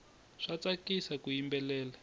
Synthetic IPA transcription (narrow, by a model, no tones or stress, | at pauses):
ʂat͡sakisakujimbɛlɛːla